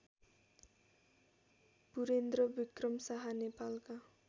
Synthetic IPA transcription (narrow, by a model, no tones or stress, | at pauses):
b̥uɾend̪ɾʌbikrʌmsaɦanepalka